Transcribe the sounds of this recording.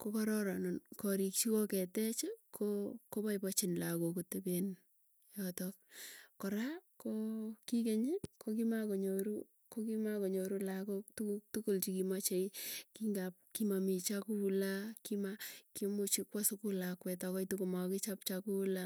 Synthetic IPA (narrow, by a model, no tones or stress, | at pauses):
kokɔɾɔɾɔnɔnkɔɾikt͡ʃikokɛtɛt͡ʃɪkʰokopajpɔt͡ʃɪnlakokoteben | jɔtɔk̚kɔɾakokikeɲikokimakoɲoɾu | kokimakoɲoɾulakoktuktukult͡ʃikimat͡ʃeikiŋɡap̚kimamit͡ʃakulakimakimʊt͡ʃikwasʊkulakwɛtɔkɔjtukomakɪt͡ʃap̚t͡ʃakula